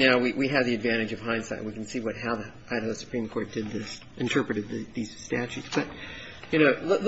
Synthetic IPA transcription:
naʊwiwʔiɨvðiɨdvæ̃ɾ̃ɨd͡ʒʌv̥ɦãɪ̃nsa̰ɪʔ̚wikn̩siwʌt̚ɦaʊði | ʔaɪɾˠsɨ̥pʰɹ̥ĩmkʰɔɹt̚d̥ɨd̪̚ðɪs | ʔɨ̃ntʰɜ˞pɹɨɾɨd̪̚ðɨðiz̥stæt͡ʃʉtsb̥ʌt̚ | jɨñoʊll

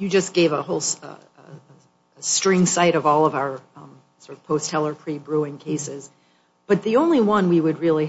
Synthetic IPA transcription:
jɨd͡ʒʌsɡ̥eɪvəhoʊlˠs | əstɹ̥ɪ̃ŋsaɪɾʌvɔlˠʌvaʊə˞ | sɔɹɾʌv̥pʰoʊst̚hɛlˠə˞pʰɹ̥ibɹuɪ̃ŋkʰeɪsɪz̥ | b̥ʌt̪̚ðiõʊ̃nliwʌ̃nwiwɨd̚ɹɪlˠi

